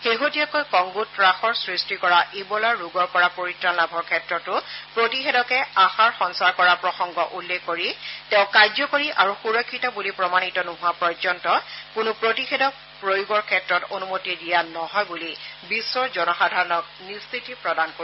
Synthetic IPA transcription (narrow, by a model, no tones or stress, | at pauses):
xeɦotijakojkɔŋɡutɹaxɔɹsɹistikɔɹaʔebɔlaɹuɡɔɹpɔɹapoɹitɹanlabʱɔɹkʰɛtɹɔtʊpɹotixedɔkɛaxaɹxɔnsaɹkɔɹapɹɔxɔŋɡɔʔulːekːoɹitẽʊ̃kajzɔkoɹiʔaɹuxuɹɔkʰːitɔbulipɹɔmanitɔnoɦʊwapɔjzɔntɔkʊnʊpɹotixedɔk̚ | pɹojuɡɔɹkʰɛtɹɔtonumotidijanɔɦɔjbulibisːɔɹzɔnɔxadʱaɹɔnɔk̚ | nistʰitipɹɔdankoi